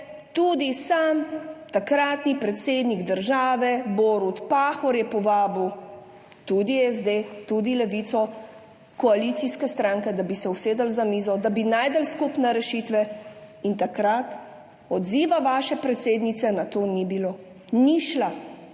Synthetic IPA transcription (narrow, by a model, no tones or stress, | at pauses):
t̪ud̪isamt̪akɾat̪nipɾɛt̪seːd̪niɡd̪əɾʒaːʋɛboɾut̪paːxɔɾjɛpɔʋaːbiw | t̪ud̪ijɛzd̪et̪ud̪ilɛʋit̪sɔ | kɔalit̪siskɛst̪ɾãːŋkɛd̪abisɛwseːd̪əlzamiːzɔd̪abinaːjd̪əlskupnɛɾɛʃit̪ʋɛint̪akɾat̪ | ɔd̪ziːʋaʋaːʃɛpɾɛt̪seːd̪nit̪sɛnat̪oːnibiloː | niʃla